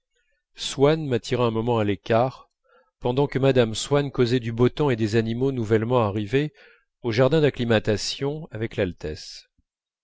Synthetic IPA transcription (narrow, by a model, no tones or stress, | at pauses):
swanmat̪ʰiʁaɛ̃mɔmɑ̃alekʲaʁ | pɑ̃d̪ɑ̃kəmad̪amswankozɛd̪ybot̪ɔ̃ed̪ezanimonuvɛlmɑ̃aʁive | oʒaʁd̪ɛ̃d̪aklimat̪asjɔ̃avɛklalt̪ɛs